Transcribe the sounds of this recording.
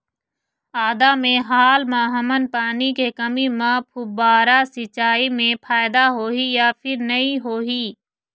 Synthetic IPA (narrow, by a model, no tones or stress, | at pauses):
aːd̪aːmẽɦaːlmãːɦəmənpaːnikekəmiːmãːpʰʊbaːɾaːsɪt͡ʃaːiːmẽpʰaːɪd̪aɦoːɦijaːpʰɪɾnəĩɦoːɦiː